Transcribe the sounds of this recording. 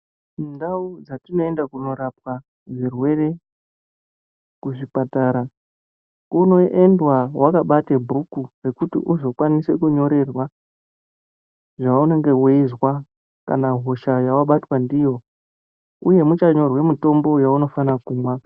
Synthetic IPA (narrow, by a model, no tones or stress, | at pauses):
ndaud͡zatino̞endakuno̞ɾap̚wa | ʐirwe̞re̞ | kuʐipataɾa | uno̞ʔe̞ndwawʔakaɓatebʱukure̞kutḭʔuzo̞kwanise̞kuɲo̞ɾe̞rwa | ʐaune̞ŋɡe̞weizwa | ka̰naɦo̞ʃajawaɓatwandijo̞ | uje̞mut͡ʃaɲo̞rwe̞mito̞mbo̞jauno̞fanakuːmwa